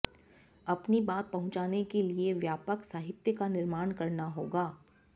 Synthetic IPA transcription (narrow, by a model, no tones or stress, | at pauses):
ɐpnibaːt̪̚pɐɦʊ̃t͡ʃaːnekelieʋjaːpəksaːɦɪt̪jəkanɪɾmaːɽ̃kɐɾnaɦoːɡaː